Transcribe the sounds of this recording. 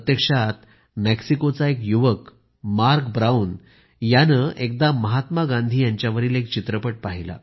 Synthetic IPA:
t̪jəkʂat̪ | meksikot͡saekjuʋək | maɾkbɾauːn | janəʔek̚d̪aməɦat̪maɡãnd̪ʱiːjaɲt͡ɕjaʋəɾiːlek̚t͡ɕit̪ɾəpəʈ̚paɦila̰

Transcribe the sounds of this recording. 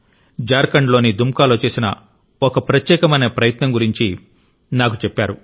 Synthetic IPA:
d͡ʒaːɾkɐɳɖlo̞ːnid̪umkaːlo̞ːt͡ʃe̞ːsinɐ̰ | okɐpɾɐt̪jɛːkɐmɐjnepɾɐjɐt̪nɐmɡuɾiɲt͡ʃi | naːkut͡ʃepːaːɾu

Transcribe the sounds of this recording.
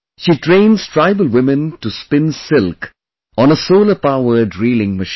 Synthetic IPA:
ʃiːʈɾẽɪ̃nz̥tʰɾaɪbəlwɪmə̃nʈuspɪ̃nsɪlk | ɔ̃ːnəsoːləpaʊʋəɖɾiːlɪ̃ŋməʃ

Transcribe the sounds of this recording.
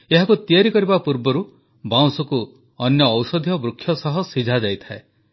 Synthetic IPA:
eɦakut̪iaɾikɔɾibapuɾbɔɾu | baw̃sɔku | ɔnjɔːwsɔd̪ʱijɔbɾukʰːjɔsɔɦɔsid͡ʒʱad͡ʒajt̪ʰae

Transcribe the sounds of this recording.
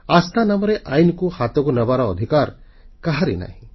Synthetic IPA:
ast̪ʰanamɔɾeʔajnkuhat̪ɔkunəbaɾɔːd̪ʱikaɾ | kaɦaɾḭna̰ɦĩ

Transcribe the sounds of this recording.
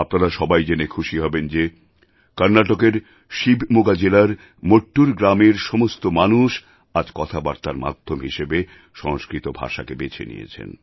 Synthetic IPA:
apnaɾaʃɔbajd͡ʑenekʰuʃiɦɔbend͡ʑe | kaɾnaʈokeɾ | ʃibʱmoɡad͡ʑelaɾ | moʈːuɾɡɾameɾʃɔmost̪omanuʃ | ad͡ʑkɔt̪ʰabaɾt̪aɾma̰d̪ʱːomɦiʃebe | ʃɔŋskɾit̪obʱa̰ʃakebet͡ɕʰḛnḭjḛt͡ɕʰḛn

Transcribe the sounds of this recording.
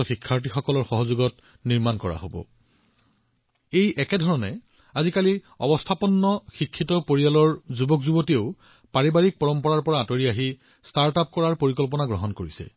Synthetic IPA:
ɔxikʰːaɹt̬ixɔkɔlɔɹxɔɦɔzuɡɔt̚ | niɹmankɔɹa̰ɦobɔ̰ | ejʔɛkɛdʱɔɹɔnɛ | azikali | ɔ̰bɔstʰapɔnːɔxikʰːitɔpoɹijalɔɹzubɔkzubotieʊ | paɹibaɹik̚pɔɹɔmpɔɹaɹpɔɹaatoɹiaɦi | staɹtap̚kɔɹaɹpoɹikɔlp̬ɔnaɡɹɔɦɔnkoɹisɛ̰

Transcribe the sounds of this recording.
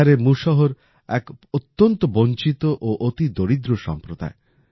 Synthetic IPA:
aɾemuʃɔɦoɾ | ɛkot̪ːɔnt̪ɔbont͡ʃit̪oʔoʔot̪id̪oɽid̪ɾoʃɔ̰mpɾod̪a̰e

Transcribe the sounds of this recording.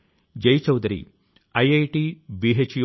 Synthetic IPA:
d͡ʒɐjt͡ʃɐwd̪ɐɾḭ | ɐjɐjʈibiɦet͡ʃj

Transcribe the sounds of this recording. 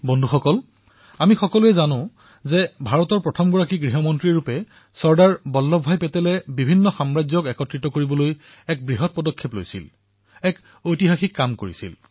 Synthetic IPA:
bɔndʱuxɔkɔl | amixɔkɔluɛzanʊ̃ | zɛbʱaɹɔtɔɹpɹɔtʰɔmɡɔɹakiɡɹiɦɔmɔntɹiɹupɛ | sɔɹdaɹbɔlːɔbʱːajpɛtɛlɛbibʱinːɔxamɹazjɔkɛkɔtɹitɔkoɹibɔloj | ɛk̚bɹiɦɔt̚pɔdɔkʰːeplo̰jsḭl | ɛk | ojtiɦaxikːamkoɹḭsḭl

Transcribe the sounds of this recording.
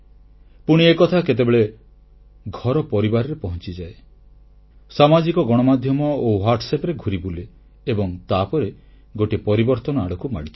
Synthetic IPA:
puɽ̃iekɔt̪ʰaket̪̬ebeɭe | ɡʱɔɾɔpɔɾibaɾɔɾepɔɦɔnt͡ʃid͡ʒae | samad͡ʒikɔɡɔɽ̃ɔmad̪ʱjɔmɔowaɾʈʰsepɾeɡʱuɾibule | ebɔŋt̪apɔɾe | ɡoʈipɔɾibɔɾt̪ɔnɔaɽɔkuma̰ɽ̃it̪ʰi

